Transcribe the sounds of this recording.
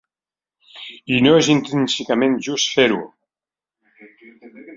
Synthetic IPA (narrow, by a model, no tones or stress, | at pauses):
inoezint̪ɾinsikamẽnʒust̪feɾṵ